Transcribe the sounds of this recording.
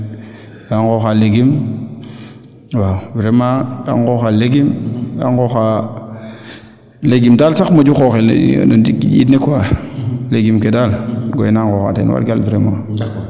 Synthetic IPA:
daŋkoxaleɡim | wawvɾemada̰ŋkoxaleɡimda̰ŋkoxa | leɡimdalsakmod͡ʒuxoxḛn̰did͡ʒḭtnekwaleɡimkedalɡojnaŋkoxa̰tḛnwa̰lɡalvɾema

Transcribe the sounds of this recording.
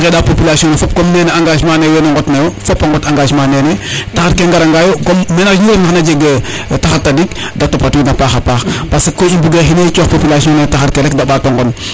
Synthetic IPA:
kedapopilasiɔnɛfop̚komnɛːnɛaŋɡaːʃmanewenoŋɡɔtnajofopːaŋɡɔtaŋɡaʃmanɛnɛtaxaɾkeŋɡaɾaŋɡajokɔmmɛnajuɾnaxnad͡ʒeɡe | taxatːadik̚ | datopatunapaːxapaːxpasekoimbuɡexineit͡ʃɔxpopilasiɔnetaxaɾkeɾɛkdabatoŋɡɔn

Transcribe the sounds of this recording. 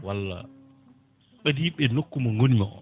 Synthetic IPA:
walːa̰ | ɓadiːɓɛnokːumɔŋɡoniŋɔʔɔ̰

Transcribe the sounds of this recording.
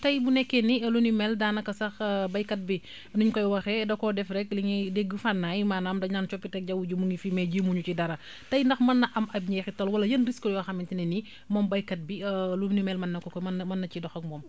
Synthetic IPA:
tɐjbunɛkːɛniɐlunimɛldaːnɐkɐsɐxbɐjkɐt̚bi | nuɲkɔjwɐxɛdɐkɔdɛfɾɛkliŋideɡːufanːaːjmaːnamdɐɲant͡ʃɔpːitɛk̚ɟɐwuɟumuŋɡifimɛɟimuɲucidɐɾɐ | tɐjndɐxmɐnːɐʔɐmʔɐb̚ɲɛxitɐlwɐlɐjənriskɔjwɐxɐmintinɛni | mɔːmbɐjkɐt̚biɐlunimɛlmɐnːɐkɔkɔɐmɐnːɐcidɔxɐk̚mɔːm

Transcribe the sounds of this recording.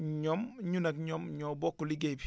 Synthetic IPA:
ɲomɲunɐkɲomɲobokːuliɡebi

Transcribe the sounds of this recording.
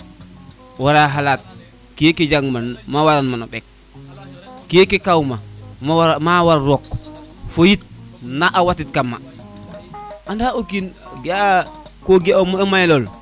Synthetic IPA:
waɾaɦalat̚ | kijeked͡ʒaŋmanmawaɾanmanoɓɛk̚ | ijekekawmammawaɾɾɔkfojit̚naʔawatitkamːa̰ | andaokinɡakoɡeomɔɛmajlɔl

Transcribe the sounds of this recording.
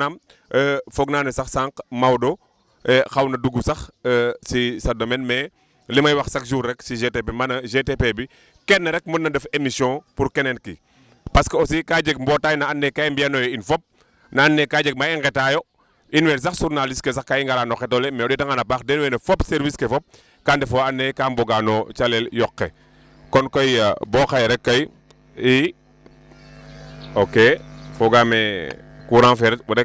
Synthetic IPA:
namː | fɔɡnaːnɛsɐxsaŋkmawdɔ | ɛxɐwnɐduɡusɐxsisɐdomɛnmɛ | limɐjwɐxsɐkʒuɾːɛksiʒetepemɐnɐʒetepebi | kɛnːɐɾɛk̚mənːɐdɐfemisjɔ̃puɾkɛnɛnkḭ | pɐskɐɔsikaːd͡ʒəɡ̚mbɔːtaːjnaanːɛkaimbiɐnɔjɔinfɔp̚ | naːnːekaːd͡ʒek̚maiŋɡɛtajo | inwɛːns̬aksuɾnaliskes̬akkaiŋɡaɾaːnoxɛtolɛmɛɔdɛtaŋanapaːkdɛnwɛːnefɔpseɾviskefɔp̚ | kandɛfɔanːekamboɡanot͡ʃaleljɔkːe | kɔnkojabɔːxajɾɛkːɐj | i | okefoɡaːmekuɾaŋfɛɾɛtudɛ

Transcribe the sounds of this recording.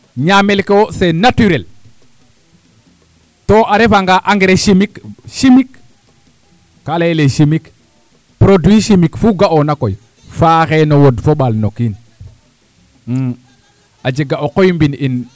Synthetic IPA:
ɲamelkewosenatyɾel | toʔaɾefaŋɡaʔaŋɡeɾeʃimikʃimik | alaleʃimik | pɾodwiʃimikfuɡaʔonakoj | faxenowodfoɓalnokin | ad͡ʒeɡaokojmbinin

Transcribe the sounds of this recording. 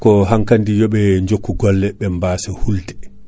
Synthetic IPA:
kɔɦaŋkandijɔɓɛɲd͡ʒokːuɡɔlːɛɓɛmbaːsɛhuldɛ̥

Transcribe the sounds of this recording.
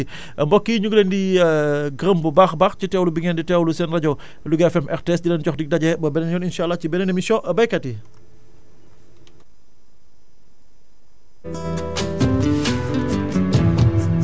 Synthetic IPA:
mbɔkːiɲuɡlɛndi | ɡɾəmbubaːxbaːxcitɛːwlubiŋɛnditɛwlusɛnrɐɟɐw | luɡɛfɛmɛxtɛsdilɛnɟɔxdik̚dɐɟɛbɐbɛnɛnjɔninʃaːlːɐhcibɛnɛnɛmisɔʔbɐjkɐti

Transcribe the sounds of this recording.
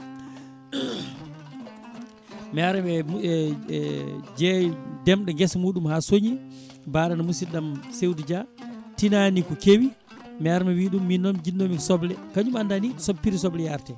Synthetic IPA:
mɛaɾɛɛɛ | d͡ʒɛdɛmɗɔŋɡɛsmuːɗumhaːsoɲi | baːɗanamusiɗamsewdid͡ʒatinanikɔkewi | mɛaɾɛmɛwiːɗumːinɔmd͡ʒinːomikɔsɔblɛkaɲumandanisopːiɾis̬ɔblɛjaɾtɛ

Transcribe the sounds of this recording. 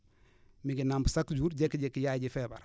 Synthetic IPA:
miɡinambusakd͡ʒuːɾɟekːɟekːjaɟifɛːba̰ɾ

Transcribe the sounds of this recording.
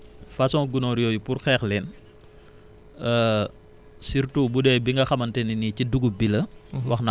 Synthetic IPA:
fɐsɔ̃ŋɡunoɾjɔːjupuɾxɛːxlɛn | ə | siɾtubudɛːjbiŋɡɐxɐmɐntɛniniciduɡubilɐwɐxna

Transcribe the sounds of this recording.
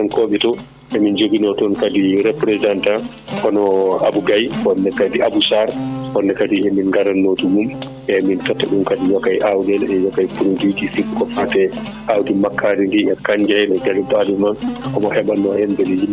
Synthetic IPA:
ɔnkoɓɛtɔ | ʔɛmind͡ʒobinɔtɔnkadiɾɛpɾɛdanta | kɔnɔabuɡajɔnːɛkadiabusaɾkɔnːɛkadiɛminŋɡaɾanːoːtumum | ɛmintɔtːaɗumkadiwɔkajʔawdɛlɛjɔkajpunud͡ʒid͡ʒifikkɔfatɛ | ʔawdimakːaɾindiɛkaɲd͡ʒɛɗɛɡalɛbadumankɔmɔhɛɓanːɔhɛmbɛlejim

